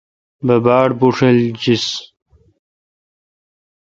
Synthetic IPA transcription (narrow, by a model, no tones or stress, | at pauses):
bɐbaːɽbuʂeld͡ʑis